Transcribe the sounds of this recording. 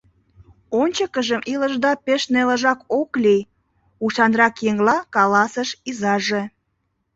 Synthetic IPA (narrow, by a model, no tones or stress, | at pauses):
onʲt͡ɕəkəʒəmʔiləʒd̪ɑpeʃneləʒɑkoklij | uʃɑnrɑkjeŋlɑkɑlɑsəʃizɑʒe